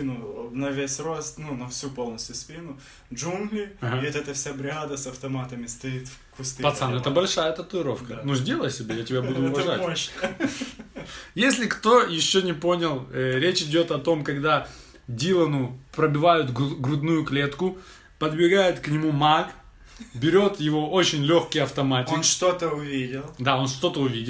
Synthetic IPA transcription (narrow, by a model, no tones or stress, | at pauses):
inʊnɐvʲesʲrost̪nunɐfsʲupo̞lˠnəsʲt̪ʲjʊspʲinʊ | ʐunɡlʲɪaɦaɛt̪ɛt̪əfsʲabɾʲɪad̪əsɐft̪ɐmat̪əmʲɪst̪ɐit̪fkʊst̪ɨpɐt̪sanɛt̪əbɐlʲʂajət̪ət̪ʊɪɾo̞fkənuʐdʲe̞lˠəjsʲɪbʲejatʲɪbʲabud̪ʊːvɐʐatʲoɕə | jesʲlʲɪkt̪o̞jɪɕːonʲɪpo̞nʲɪlˠɾʲet͡ɕɪdʲo̞t̪ɐt̪o̞mkɐɡd̪a | dʲilˠənʊpɾəbʲɪvajʊt̪ɡɡɾʊd̪nujʊklʲe̞t̪kʊ | pəd̪bʲɪɡajɪt̪knʲɪmumak | bʲɪɾʲo̞t̪jɪvo̞o̞t͡ɕɪnʲlʲoxkʲɪjɐft̪ɐmatʲɪknʂt̪ot̪əʊvʲidʲɪlˠd̪ao̞nʂt̪o̞t̪əʊvʲidʲɪlˠ